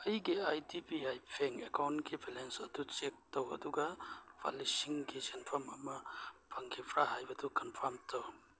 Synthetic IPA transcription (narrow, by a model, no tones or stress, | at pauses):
ɐjɡiajdipiajpʰeŋekawntkibelensɐdut͡ʃek̚towɐ̰duɡabʰa̰lisiŋɡizenpʰɐmɐmɐpʰɐŋkʰipʰɾaɦajbɐdukɐnpʰaɾmtʰow